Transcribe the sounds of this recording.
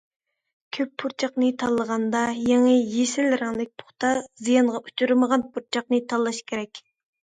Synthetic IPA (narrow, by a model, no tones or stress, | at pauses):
kʲʰøpʰːuɾt͡ʃʰɑqnɨt̪ʰɑlˠːəʁɑnd̪ɑjeŋɨjesɪlɾɑŋd̪ˠɪk̚ʲpʰʊ̥χt̪ɑzijɑnʁɑʔut͡ʃʰuɾməʁɑnpʰuɾt͡ʃʰɑqnɨt̪ʰɑlˠːɑʃkʲʰeɾɛkʲ